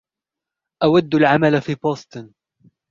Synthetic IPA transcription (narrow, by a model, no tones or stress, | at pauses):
ʔawad̪ːalʕamalafiːboːst̪ˤɨn